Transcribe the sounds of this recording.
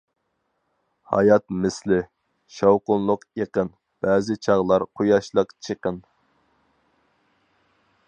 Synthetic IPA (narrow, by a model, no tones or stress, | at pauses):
hɑ̰jɑt̪mɪslɪ | ʃɑwqʊnlˠʊqjeqən | b̥ɛːzɪt͡ʃʰɑʁlˠɑɾqʰojɑʃlˠəqt͡ʃʰəqən